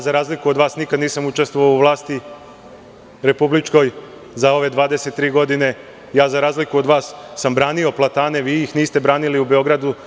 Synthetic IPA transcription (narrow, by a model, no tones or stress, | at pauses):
azaɾaːzlikuo̞d̪ʋaːsnikad̪niːsamut͡ʃest̪ʋoʋauʋlˠaːst̪i | ɾe̞publit͡ʃko̞j | zao̞ʋe̞d̪ʋaːd̪eset̪ːɾiːɡo̞d̪ine̞ | jaːzaɾaːzlikuo̞d̪ʋaːsːambɾaːnio̞plˠat̪aːne̞ʋiːjixniːst̪e̞bɾaːniliube̞o̞ɡɾad̪u